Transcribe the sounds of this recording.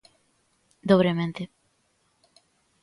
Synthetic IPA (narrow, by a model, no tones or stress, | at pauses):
d̪oβɾemẽnt̪e